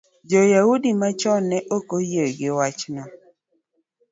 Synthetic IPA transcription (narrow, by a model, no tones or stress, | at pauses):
d͡ʒɔjaudimat͡ʃɔnːɛʔokojejɡɪwat͡ʃnɔ